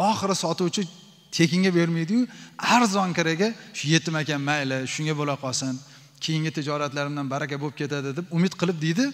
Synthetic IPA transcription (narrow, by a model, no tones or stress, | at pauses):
ɒχɨɾɪsɒt̪ʊwt͡ʃʰɪ | t̪ʰe̞kʲɪŋɡʲabe̞ɾmejd̪ɪjʊaɾzɒŋkʲaɾaɡʲaʃʊje̞t̪ʰːɪmakʲanmajlɪʃʊŋɡʲabolaqʰɒsan | kʲʰejɪŋɡʲɪt̪ʰɪd͡ʒɒɾat̪laɾɪmd̪anbaɾakʲabolp̚kʰʲe̞t̪ʰad̪ɪd̪ɪpʊmɪt̪qʰɨlˠɪp̚d̪ejd̪ɪ